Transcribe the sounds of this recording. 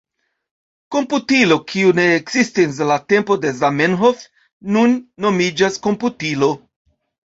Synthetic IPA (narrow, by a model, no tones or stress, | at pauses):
ko̞mputilo̞kʰiune̞ːkzistis̬late̞mpo̞de̞zamenɦof | nunːo̞mid͡ʒaskomputilo̞